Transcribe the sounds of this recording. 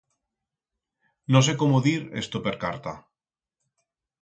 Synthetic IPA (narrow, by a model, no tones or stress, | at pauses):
nos̬ekomoðiɾḛst̪opeɾkaɾt̪a